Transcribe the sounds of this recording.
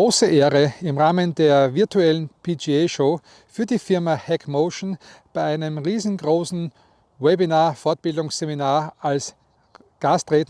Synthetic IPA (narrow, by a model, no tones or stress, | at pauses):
oːsəʔeːɐʁəɪmʁaːməndeːɐvɪɐtʰuɛlən̩pʰid͡ʒieʃoː | fyːɐdiːfɪɐmahɛkmoʊʃnb̥aɪʔaɪnəmʁiːzn̩ɡʁoːsn̩ | wɛbinaːɐfɔɐt̚b̥ɪldʊŋsz̥eminaːɐʔals | ɡ̥astʁeːtn